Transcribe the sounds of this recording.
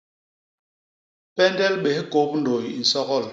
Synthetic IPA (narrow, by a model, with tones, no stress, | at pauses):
pɛ˦ndɛ˦lɓe˨hi˦ko˦p̚n̩˦do˨ji˨n̩˨sɔ˦ɣɔ˦˨l